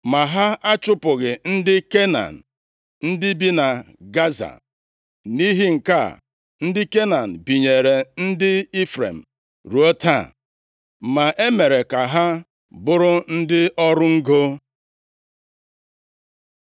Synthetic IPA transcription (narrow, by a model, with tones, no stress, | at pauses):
ma˨ɦa˦a˦t͡ʃʊ˦pʊ˨ɣɪ˨n̩˦dɪ˦ke˦na̰˨n̩˨ | n̩˦dɪ˦bi˦na˨ | ɡa˦za̰˨ | ni˦ɦi˦ŋ̩˨ka̰˦˨ | n̩˦dɪ˦ke˦na˨n̩˨bi˨ɲe˨ɾe˨n̩˦dɪ˦i˦fɾḛ˨m̩˨ | ɾu˨o˦ta̰˦˨ | ma˨ʔe˦me˨ɾe˨ka˨ɦa˦ | bʊ˦ɾʊ˦n̩˦dɪ˦ʔɔ˦ɾʊ˦ŋ̩˦ɡo˦